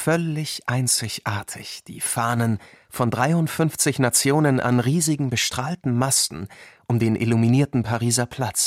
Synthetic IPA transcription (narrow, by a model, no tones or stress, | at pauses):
fœlɪçʔaɪnt͡sɪçʔaːɐtʰɪ̰çd̥iːfaːnənfɔndʁaɪʊntfʏnft͡sɪçnat͡sjoːnənʔa̰nʁiːzɪɡŋ̩bəʃtʁ̥aːltn̩mastn̩ʔʊmdeːnʔɪ̰luminiːɐtn̩pʰaʁiːzɐpʰl̥at͡s